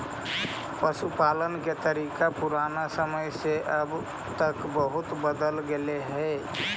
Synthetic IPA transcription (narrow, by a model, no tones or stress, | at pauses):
pəsupalənket̪əɾiːkapuɾanasəməjseʔəb | t̪əkbəɦut̪bəd̪əlɡeleɦɛ